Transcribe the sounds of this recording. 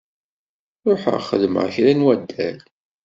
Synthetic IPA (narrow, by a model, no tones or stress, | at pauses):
ɾoħə̰ʁχəðmə̰ʁçɾænwæd̪ːæl